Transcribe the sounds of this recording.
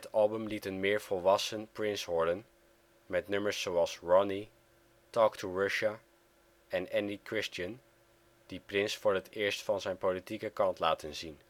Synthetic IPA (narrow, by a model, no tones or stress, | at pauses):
ətɑlˠbəmlitənmɪːɹv̥ɔlˠʋɑsənprɪnsʋɔɹdən | mɛtnɵməɹsːowɑlˠsɹɔni | tɔːktʰuɹɑʃa | ɛnɛndikɹɪstən | d̥iprɪnsfʊːɹətɪːɹstfɑnzɛjnpolitikəkɑntla̰ːtənzin